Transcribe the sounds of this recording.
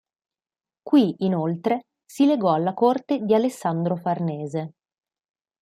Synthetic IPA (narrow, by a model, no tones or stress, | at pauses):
kwiinolt̪ɾe | sileɡɔalːakort̪ed̪ialesːand̪ɾofarnɛːze